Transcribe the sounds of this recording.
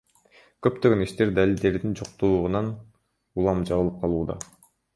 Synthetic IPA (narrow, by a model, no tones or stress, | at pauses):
kø̞pt̪øɡøniʃt̪e̞ɾd̪alʲilʲd̪e̞ɾd̪ind͡ʒoqt̪ulːˠʁunɑn | ulˠɑmd͡ʒɑβɯlˠɯp̚qʰɑlˠuːd̪ɑ̰